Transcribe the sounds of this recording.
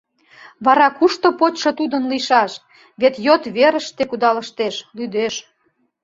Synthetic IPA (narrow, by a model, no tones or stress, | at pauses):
βɑɾɑkuʃt̪opotʃot̪ud̪ə̆nliʃɑʃ | βet̪jot̪βeɾəʃt̪ekud̪ɑlə̆ʃt̪eʃlyd̪eʃ